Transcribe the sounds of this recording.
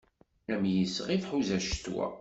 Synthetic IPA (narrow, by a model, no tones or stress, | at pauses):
æmjəsʁifħuzæʃt̪wæ̰